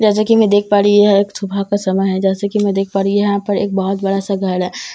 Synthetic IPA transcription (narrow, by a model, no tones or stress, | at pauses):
d͡ʒɛːs̬akimɛ̃d̪eːk̚ʰpaːɾiɦaeːksubʱakasɐməjɦɛ̃d͡ʒɛːsekimɛ̃d̪eːk̚ʰpaːɾijɐɦãpɐɾḛːk̚bɔɦʊt̪bɐɽasaɡʱɐɽɦɛː